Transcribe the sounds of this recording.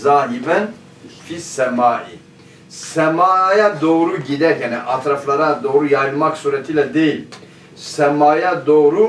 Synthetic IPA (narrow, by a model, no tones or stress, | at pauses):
zaːɦibɛn | fisɛmaːʔi | sɛmaːjad̪oːɾuɟid̪ɛkɛnɛʔat̪ʰɾaflˠaɾad̪oːɾujajlˠmaksuɾɛt̪ʰiːlɛd̪ejil | sɛmaːjad̪oːɾu